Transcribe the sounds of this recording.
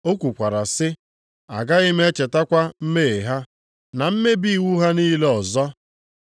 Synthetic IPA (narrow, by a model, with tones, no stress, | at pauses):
o˦kʷu˨kʷa˨ɾa˨sɪ˦ | a̰˨ɡa˦i˦me˦t͡ʃe˨ta˦kʷa˦m̩˦me˦˨ɦa˦ | na˨m̩˦me˦bi˦˨wu˦ɦa˦niː˦le˦ɔ˨zɔ˦